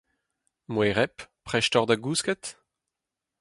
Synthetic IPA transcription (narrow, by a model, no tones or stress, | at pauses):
mweʁɛppχɛʃtɔʁd̪aɡuːskɛt̪